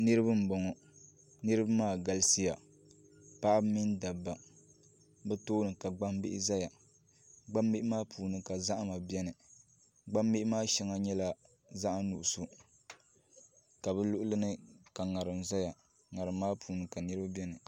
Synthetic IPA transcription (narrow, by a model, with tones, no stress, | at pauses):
nɨ˦ɾɨ˦bɨ˦m̩˨bɔ˨ŋɔ˦ | nɨ˦ɾɨ˦ba˦maː˦˨ɡa˦˨lsi˦ja˨ | pa˦ʔa˦bmi˦nda˨bːa˨ | bɛ˦toː˦nɨ˨ka˨ɡ͡ba˦mbɪ˦ʔɪ̰˦za˦ja˨ | ɡ͡ba˦mːe˦ʔɪ˦maː˦pʰuː˨nɨ˦ka˨za˦ʔa˦ma˨bɛ˦nɨ˨ | ɡ͡ba˦mːe˦ʔmaː˦ʃɛ˦ŋa˦ɲɛ˦la˦ | za˦ʔa˦nu˨ʔʊ˨su˨ | ka˨bɛ˦lʊ˦ʔʊ˦lɨ˦nɨ˦ka˨ŋa˨ɾɨ˨mza˦ja˨ | ŋa˨ɾɨ˨mːaː˦pʰuː˨nɨ˨ka˨nɨ˦ɾɨ˦ba˦bʲɛ˦nɨ˨